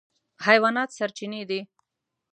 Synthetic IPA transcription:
hajwɑnɑt̪saɾt͡ʃined̪i

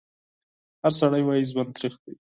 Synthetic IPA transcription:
haɾsaɽajwɑjizwand̪t̪ɾixd̪i

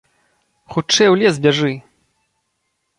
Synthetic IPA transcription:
xut͡ʂɛjwlʲɛsbʲaʐɨ

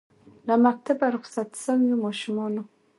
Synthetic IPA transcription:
lamak̚t̪abaɾʊχsat̪sawjimɑʃʊmɑno

